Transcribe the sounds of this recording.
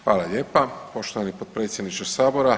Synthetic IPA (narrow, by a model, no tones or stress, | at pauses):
xʋaːlˠaʎeːpapo̞ʃt̪oʋanipod̪̚pɾet̪sʲjed̪nit͡ʃt̪osaːboɾa